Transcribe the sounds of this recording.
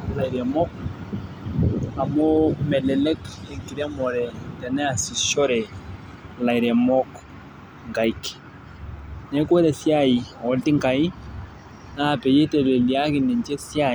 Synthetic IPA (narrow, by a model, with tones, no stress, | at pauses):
la˨i˨ɾɛ˨mɔ˦k̚ | a˨mɔ˦mɛ˨lɛ˨lɛ˦ke˨ŋki˨ɾɛ˦mɔ˨ɾɛ˨tɛ˨nɛ˦a˨si˨ʃɔ˦ɾɛ˨ | la˨i˨ɾɛ˨mɔ˦k | ŋka˨i˦k | nɛ˦kɛ˦ɾɛ˨si˦a˦ji˨ɔ˨lti˦ŋka˨i˦ | na˦˨pɛ˨je˦tɛ˨le˨li˨a˦ki˨ni˨ɲt͡ʃɛ˦si˦a˦